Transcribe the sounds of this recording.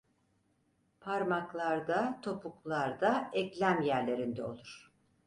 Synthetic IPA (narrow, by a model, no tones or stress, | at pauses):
pʰaɾmaklˠaɾd̪at̪ʰo̞puklˠaɾd̪aɛclʲæmjæɾlʲe̞ɾind̪ɛo̞̰lˠuɾ̥